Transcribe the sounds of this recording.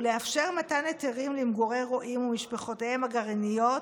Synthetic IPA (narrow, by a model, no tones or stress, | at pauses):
leafʃe̞ʁmataneteʁimlimɡoʁejʁoʔimumiʃpeχo̞tehemaɡaʁinijot